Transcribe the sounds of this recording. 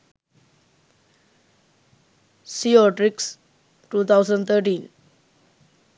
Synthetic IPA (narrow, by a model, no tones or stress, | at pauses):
siɔʈɾiks | ʈuːt̪ʰawsəɳɖt̪ʰəɾʈiːn